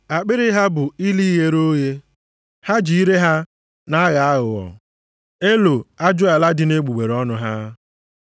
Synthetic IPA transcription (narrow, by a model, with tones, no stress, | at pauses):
a˨k͡pɪ˦ɾɪ˦ɦa˦bʊ˨i˦li˦ɣe˦ɾo˦je˦ | ha˦d͡ʒi˨i˦ɾe˦ɦa˦ | na˦ɣa˨a˦ɣʊ˨ɔ̰˨ | e˦lo˨a˦d͡ʒʊ˦a˨la˦dɪ˨ne˦ɡ͡bu˨ɡ͡be˨ɾɔ˦nʊ˦ɦa˦